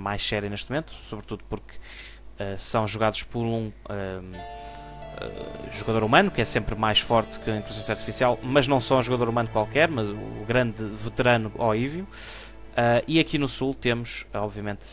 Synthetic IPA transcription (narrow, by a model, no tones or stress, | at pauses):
majʃsɛɾjɐneʃt̪mumẽnt̪u̥suβɾt̪uðupuɾk | ɛsɐ̃w̃ʒuɣaðuʃpɔɾũɛ | ɛ̰ʒuɣɐðoɾumɐnukɛsẽmpɾmajʃfɔɾt̪kɨɐ̃ĩt̪lˠiʒẽsɐɾt̪i̥fisialˠmɐʒnɐ̃w̃sɔũʒuɣɐðoɾumɐ̃nukwalˠkɛɾmɐzuːɣɾɐ̃nd̪ɨvɨt̪ɨɾɐnuʔɔivju | ɛiɐkinusulˠt̪emuʃɔβviɐmẽnt̪